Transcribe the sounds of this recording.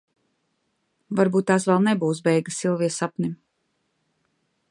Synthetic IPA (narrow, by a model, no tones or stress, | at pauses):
vaɾbuːt̪̚ːaːsvɛlˠnebuːs̬bɛjɡɨsilˠviɛsapnʲim